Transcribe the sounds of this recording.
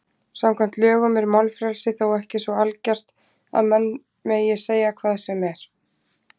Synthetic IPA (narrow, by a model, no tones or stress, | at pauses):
samkʰvam̥t̪lœːɣʏmɛɾmawlfɾɛlsɪθawɛhcɪsvɔalcar̥t̪ | a̰ðmɛnː | mɛðjɛseːjakʰvaːðsɛmɛɾ̥